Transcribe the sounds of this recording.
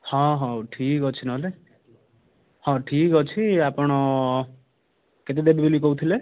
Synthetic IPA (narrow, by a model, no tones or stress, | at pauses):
hɔ̃ɦɔ̃ʈʰikɔt͡ʃʰinɔle | hɔ̃ʈʰikɔt͡ʃʰiapɔɽ̃ɔ | ket̪ed̪ebʱibelikɔut̪ʰile